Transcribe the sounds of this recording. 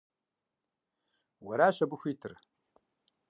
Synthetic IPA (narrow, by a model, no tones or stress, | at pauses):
wɐɾaːɕɐbɨxʷiːtʰɨr